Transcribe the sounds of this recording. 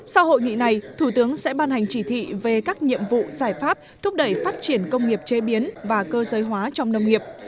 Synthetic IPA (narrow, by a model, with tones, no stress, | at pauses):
sa˧who̰˧˨jŋḭ˧˨na˨˩jt̪ʰu˧˩t̪ɨ˨˦əŋsɛ̰˧˥ɓaː˧nha˨˩jŋ̟t͡ɕi˧˩t̪ʰḭ˧˨ve˨˩kaː˦˥k̚ɲḭ˧˨əmvṵ˧˨zaː˧˩jfaː˦˥p̚t̪ʰʊ˦˥p̚ɗə˧˩jfaː˦˥t̚t͡ɕi˧˩ənkə˧wŋ͡mŋi˨˩əp̚t͡ɕe˨˦ɓi˨˦ənvaː˨˩kəː˧zəː˨˦jɦwaː˨˦t͡ɕɔ˧wŋ͡mnə˧wŋ͡mŋi˨˩əp̚